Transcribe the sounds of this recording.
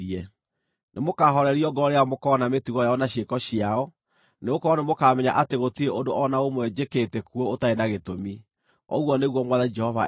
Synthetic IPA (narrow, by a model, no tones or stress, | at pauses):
ɛ | nʔemokaɦɔɾɛɾiɔɡɔɾeamokɔnametuɣɔjaɔnaɕekɔɕiaɔ | neokɔɔnemokaːmɛɲaʔateɣotueʔondoʔɔnaomoɛd͡ʑeketɛkuootaenaɣetomi | ɔ̰ɣwɔneɣwɔmwaðaid͡ʒɛhɔva